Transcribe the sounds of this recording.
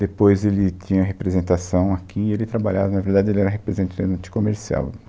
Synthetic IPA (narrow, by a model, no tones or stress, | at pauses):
d̪epojzelɪt̪ĩɲɐɦepɾezẽnt̪asɐ̃w̃akʰiɪelɪt̪ɾabaʎavɐnɐveɾd̪ad͡ʒɪelɪɛɾɐɦepɾezẽnt̪ɐ̃ɐ̃t͡ʃ̪ɪ̥komeɾsia̰w